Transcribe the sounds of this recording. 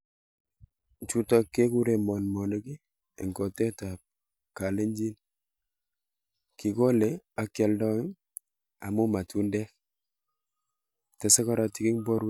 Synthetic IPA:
t͡ʃu˦tɔ˦kːe˦ku˦ɾe˨mɔ˨nmɔ˨ne˦ki˦ | ḛ˨ŋkɔ˨te˦ta˨p̚ | ka˨le˦ɲd͡ʒi˦n | ki˨ko˦le˨a˦kja˨ldɔ˦ŋ˦ŋ | a̰˨mu˦ma˨tu˦ndɛ˦k | tɛ˨sɛ˦kɔ˦ɾa˨ti˦ki˦ŋbɔ˦ɾu˦

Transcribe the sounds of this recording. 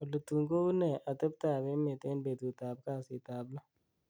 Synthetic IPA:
o˨lə˨t̪u˨ŋɡo˦u˦nɛ˨ʔa˨t̪ə˦b̚t̪aː˨be˦me˨t̪e˦nbe˨t̪u˨t̪aː˨b̚ka˦˨si˨t̪aː˨blɔ˦

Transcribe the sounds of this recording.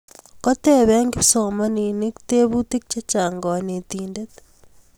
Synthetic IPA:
ko˦te˦βe˦ŋɡi˦piso˨mani˨ne˦ki̥te˦βu˦teki̥t͡ʃe˦t͡ʃaː˨ŋɡɔ˨ne˨t̪iːndet

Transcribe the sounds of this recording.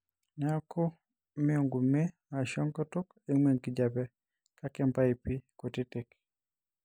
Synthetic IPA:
nɛ˦a˦kʰɔ˦ | mɪ˦o˨ŋɡu˨me˦ | a˨ʃɔ˦ŋkɔ˦to˦k | e˦ŋwe˦˨ŋki˦d͡ʒa˨pɛ˦ | ka˦kɛ˦mpa˦i˨pi˦ko˨ti˦te˨k

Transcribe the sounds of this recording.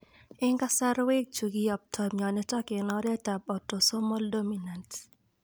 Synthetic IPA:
ɪ˦ŋɡa˦sa˦ɾwe˦k̚t͡ʃu˨ɡi˦ɔ˨p̚tʰɔ˨mɲɔ˨nɛ˦tɔ˦kɪ˨nɔ˦ɾɛ˦ta˨bɔ˨tːɔ˨sɔ˦mɔ˦ldo˦mina˨nt

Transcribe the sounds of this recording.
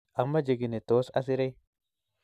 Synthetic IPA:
ʔɐ˨mːɐ˦d͡ʒe˨ɡɪ˨ne˨t̪oː˦sɐ˦s̬ɪ˦ɾe˦j

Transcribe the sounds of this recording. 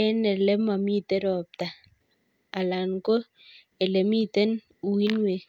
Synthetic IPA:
ɛ˦nɛ˨lɛ˦ma˨mi˦t̪ɛ˦ɾɔ˨p̚t̪a˨ | a˨la˨nko˦ | ɛ˨lɛ˨mi˦t̪ɛ˦n | u˨wi˦nwe˨

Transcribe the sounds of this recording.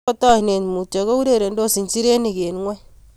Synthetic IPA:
o˦tɔ˦i˨ne˨n˨mu˨tɔ˨ɣo˦u˦ɾe˦˨ɾe˨ndo˦˨si˨nt͡ʃi˦ɾe˦ni˨ke˨nŋwɛ˦

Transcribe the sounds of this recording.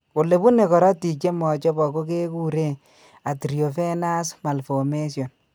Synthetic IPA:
o˨le˨bu˦ne˨kɔ˨ɾɔ˦ti˨t͡ʃe˦mɔ˨t͡ʃɔ˦bɔ˨ko˦ke˦ku˦ɾe˦˨ | a˨tɾjo˨fe˦na˦sma˨lfo˨me˦sjo˨n

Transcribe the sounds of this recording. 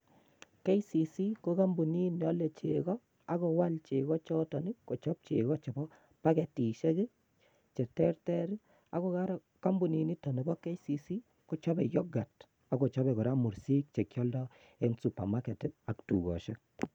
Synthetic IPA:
kɛ˦jsi˨si˦ko˦ka˦mbu˨ni˦n˨ɔ˦le˨t͡ʃe˨ɡɔ˦ | a˨ko˨wa˦lt͡ʃe˨kɔ˦t͡ʃɔ˦tɔ˨ni˦kko˨t͡ʃɔ˦p̚t͡ʃe˨kɔ˦t͡ʃe˨bɔ˦ | pa˦kɛ˨ti˨ʃɛ˦ki˦ | t͡ʃɛ˨tɛ˦rtɛ˦ɾi˦ | a˦kɔ˦ka˦ɾ | ka˦mbu˨ni˨ni˦tɔ˨ni˨kɔ˦kɛ˦jsi˨si˦ | ko˨˦t͡ʃɔ˦bɛ˨jɔ˦ɡa˨t | a˨ko˨t͡ʃɔ˦bɛ˨kɔ˨ɾa˦mu˨ɾsi˦k̚t͡ʃe˨kjɔ˦ldɔ˦ | ɛ˦nsu˨pa̰˨ma˦kɛ˨tɪ˦a˨ktṵ˨ɡɔ̰˨ʃɛ˦k̚

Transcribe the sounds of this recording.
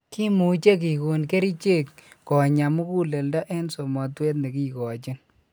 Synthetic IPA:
ki˦mu˨t͡ʃe˦k̬i˨ku˨nke˦ɾi˦t͡ʃe˦˨kːɔ˨ɲa˨mu˦ku˦le˨lda˦ʔɛ˦nso˨mɔ˨twe˦t̬̚ne˨ki˦kɔ˨t͡ʃi˦n

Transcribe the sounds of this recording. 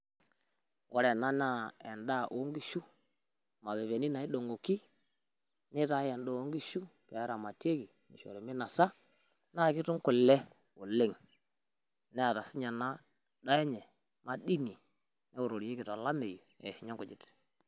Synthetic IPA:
wʔo˦ɾe˨na˦na˦˨e˨nda˦o˦ŋɡi˦ʃu˦ | ma˨βe˨βe˨ni˦na˨i˦ɗo˨ŋo˨ki˦ | ni˦ta˦je˨ndo˦˨o˦ŋɡi˦ʃu˦pe˨ja˦ɾa˨ma˨te˦ki˨ | mi˨ʃo̰˨ɾe˨mi˦na˨sa˦ | na˦˨ki˦tu˦ŋku˨le˦ | o˨le˦˨ŋ | nɛ˦a˨ɾa˨si˦ɲa˨na˦ | ɗa˦je˦ɲe˨ | ma˨di˦ni˨ | ne˦wu˨ɾo˨ɾje˦ki˨to˨la˦me˨ju˨ḛ˨hi˨ɲa˦ŋku˨d͡ʒi˦t

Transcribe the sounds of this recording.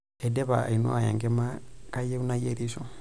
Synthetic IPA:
edɛ˦βa̰˨i˨no̰˦a˨jḛ˨ŋɡe˦ma˦ka˦je˦u˦najeɾi˦so

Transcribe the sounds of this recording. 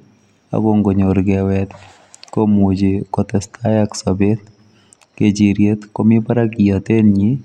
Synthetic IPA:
a̰˨ɡo˦ŋɡo˨ɲo˨ɾɡɛwɛt̪ | ko˦mu˨d͡ʒekɔt̪ɛst̪ʰa˦jaksɔ˨be˦t̪ | ke˨d͡ʒi˨ɾje˦t̪ko˦mi˦pa˦ɾaki˨jɔ˨t̪e˦nɲi

